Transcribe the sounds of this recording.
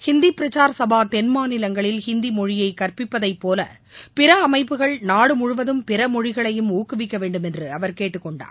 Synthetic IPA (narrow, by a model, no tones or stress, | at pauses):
hɪnd̪ipɪɾɐt͡ʃaːɾsɐbaːt̪ɛnmaːnɪlɐŋɡɐɭɪlhɪnd̪imɔɻɪjɐɪkɐrpɪpːɐðɐɪpːoːlɐ̰ | pɪɾɐːmɐɪpːɯɣɐɭnaːɽɯmʊɻʊʋɐðɯmpɪɾɐmɔɻɪɣɐɭɐjɯmuːkːɯʋɪkːɐʋeːɳɖɯmɛndrɯɐʋɐɾkeːʈːɯkːɔɳɖa̰ːɾ